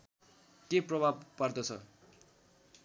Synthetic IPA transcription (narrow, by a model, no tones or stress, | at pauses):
keprʌbʱab̚pard̪ʌt͡sʰʌ̰